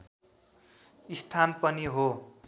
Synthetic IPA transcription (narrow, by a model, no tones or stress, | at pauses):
ist̪ʰanpʌniɦo